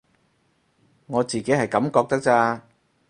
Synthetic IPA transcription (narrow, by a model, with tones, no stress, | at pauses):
ŋɔː˨˧t͡siː˨ke˨˥jɦɐ˨jkɐ˨˥mkɔː˧k̚t̪ɐ˥k̚t͡saː˧